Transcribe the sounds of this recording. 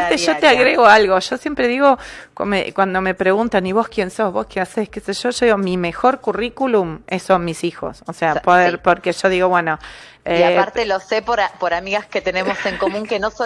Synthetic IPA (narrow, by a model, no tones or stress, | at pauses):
t̪eʒot̪eaɣɾeɣoalɣo̞ʒ̥o̞sjempɾeðiɣo̞ko̰mḛkwand̪o̞me̞pɾeɣunt̪aniβ̞o̞skjenso̞hβo̞hkjenaseskeseʒ̥o̞ʒoðiɣomimexo̞ɾkurikulumesonmisixo̞̰soseapoðeɾpoɾkeʒo̞ðiɣo̞βwe̞no | eaaɾt̪elosepoɾapoɾamiɣasket̪e̞nemose̞ŋkomũŋkenoso